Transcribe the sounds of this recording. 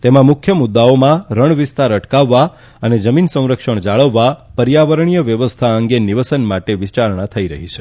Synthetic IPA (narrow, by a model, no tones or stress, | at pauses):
t̪emãmukʰjəmʊd̪ːaomãɾəɳʋist̪aɾəʈkaʋːa | əned͡ʒəminsə̃w̃ɾəkʂəɳ̃d͡ʒaɭəʋːapəɾjaʋəɾəɳ̃ijəʋjəʋəst̪ʰaəŋɡeniʋəsənmaʈeʋit͡ʃaɾɳ̃ãt̪ʰəiɾəɦit͡ʃʰe̥